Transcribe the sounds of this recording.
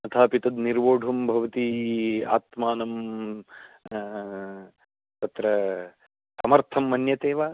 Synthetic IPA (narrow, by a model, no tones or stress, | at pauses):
ɐt̪ʰaːpit̪ɐd̪niɾʋoːɖʱɐmbʱɐʋɐt̪ia̰ːt̪maːnɐm | t̪ɐt̪ɾɐ | sɐmɐɾt̪ʰɐmːɐnjɐt̪eːʋaː